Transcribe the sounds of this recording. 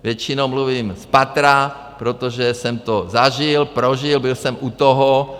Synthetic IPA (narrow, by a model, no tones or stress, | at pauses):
vjɛt͡ʃɪnowmluviːmspat̪ɾa | pɾot̪oʒɛsɛmt̪ozaʒɪlpɾoʒɪlbɪlsɛmʔut̪oɦo